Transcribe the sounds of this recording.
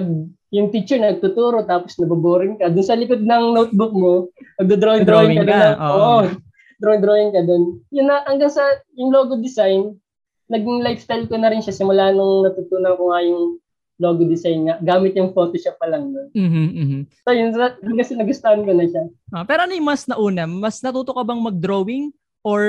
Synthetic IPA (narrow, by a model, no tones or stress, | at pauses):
ɐɡ̚ | jʊŋt̪it͡ʃɛɹnɐɡ̚t̪ʊt̪uːɾo̞t̪aːposnɐbɐboːɾɪnkɐd̪ʊnsɐlɪkʊt̪̚nɐŋnowt̪̚bʊk̚monɐɡ̚d̪ʊd̪ɾoɪd̪ɾoɪŋkɐd̪onɐoʔo | d̪ɾojnd̪ɾoːjɪŋkɐd̪onjʊnːɐʔɐŋɡɐŋsɐjʊŋloːɡod̪ɪsajnː | ɐɡɪŋlajfst̪ajlkonɐɾɪnʃasɪmʊlaːhɐnɐŋnɐt̪uːt̪uːnɐŋkʊŋɐjʊŋ | loːɡod̪ɪsajnŋɐɡaːmɪt̪̚jʊŋfo̞ːt̪oʃɐp̚ːɐlɐŋnon̩ːɦsojʊnsɐjkɐsɛnɐɡʊst̪ɐhɐnkonɐʃaʔopɛːɾonʊjmɐsnɐʔuːnɐmɐsnɐt̪uːt̪okɐbɐŋmɐɡ̚d̪ɾowɪŋ | ʔoɹ